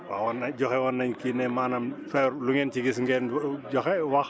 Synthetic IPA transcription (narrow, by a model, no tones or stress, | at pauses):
wa̰wɔnɐɟɔxɛwɔnːɐɲkinɛmanɐmfɛɾluŋɛnt͡ʃiɡis̬ŋɡɛnɟɔxɛwax